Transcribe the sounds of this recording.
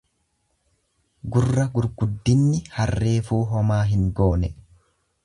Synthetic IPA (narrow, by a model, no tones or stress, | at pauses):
ɡʊrːɐɡʊɾɡʊd̪ːɪnːɪhɐrːe̞ːfuːɦɔmaːɦɪŋɡo̞ːnɛ